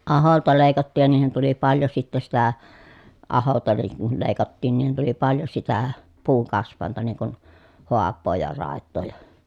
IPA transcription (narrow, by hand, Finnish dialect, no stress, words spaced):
ɑholtɑ leˑi̯kɑtːiːj jɑ niːhin tuli pɑljo sitːæ sitæ ɑholtɑ niŋ kul leˑi̯kɑtːiːn niːhin tuli pɑljo sitæ puːŋkɑsʋˑɑˑentɑ niŋ kun hoɑpːoː jɑ rɑˑetːoː jɑ